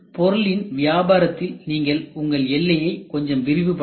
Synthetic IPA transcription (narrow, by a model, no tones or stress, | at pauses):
pɔɾɯɭɪnʋɪjaːbaːɾɐt̪ːɪlniːŋɡɐɭʊŋɡɐɭɛlːɐjɐɪkɔɲd͡ʒɐmʋɪɾɪʋɯpːɐ